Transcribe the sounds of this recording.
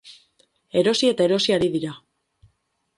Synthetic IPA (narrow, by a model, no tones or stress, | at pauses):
e̞ɾo̞sie̞t̪ae̞ɾo̞siaɾiðiɾa